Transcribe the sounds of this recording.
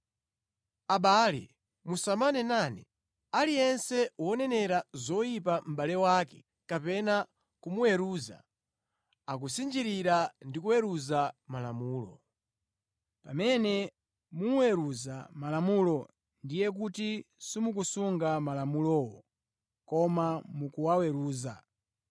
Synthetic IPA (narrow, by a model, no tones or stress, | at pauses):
aɓaːlɛ̰ | musamanɛnanɛ̰ | alijɛnsɛwɔnɛnɛɾazɔjipam̩ɓalɛwaːkɛ̥ | kapɛna | kumuwɛɾuza̰ | ak̬usind͡ʒiɾiɾandikuwɛɾuzamalamuːlɔ̰ | pamɛnɛ | muwɛɾuzamalamulɔ | ndijɛk̬utisimuk̬usuŋɡamalamulɔwɔ | kɔmamukuwawɛɾuːza